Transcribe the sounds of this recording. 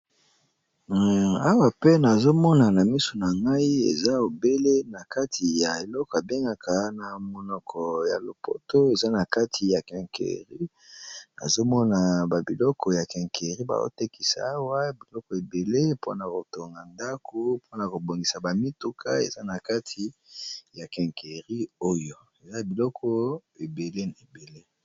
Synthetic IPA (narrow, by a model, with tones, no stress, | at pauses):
a˦wa˨pe˦na˨zo˦mɔ˦na˨na˨mi˦so˨na˨ŋɡa˦i˦ḛ˨za˦o˨be˦le˦na˨ka˦tʰi˨ja˨e˨lɔ˦kɔ˨a˨be˦ŋɡa˨kʰa˨na˨mɔ˨nɔ˨kʰɔ˨ja̰˨lo˨po̰˦to˦e˨za˦na˨ka˦tʰi˨ja˨kɛ̃˨ŋkḛ˨ʁi˦ | na̰˨zo˦mɔ˦na˨ba˨bi˨lɔ˦kɔ˨ja˨kɛ̃˨ŋkʰe˨ʁi˦ba̰˨zo̰˦te˦ki̥˨sa̰˨a˦wa˦bi˨lɔ˦kɔ˨e˨be˨le˦po̰˦na˨ko˨to˨ŋɡa˨nda˦ko˦pʰo˦na˨ko˨bo˨ŋɡi˨sa˨ba˨mi˦tu˦kʰa˦ḛ˨za˦na˨ka˦tʰi˨ja˨kɛ̃˨ŋke˨ʁi˦o˦jo˨ | e˨za˦bi˨lɔ˦kʰɔ˦e˨be˨le˦na˨e˨be˨le˦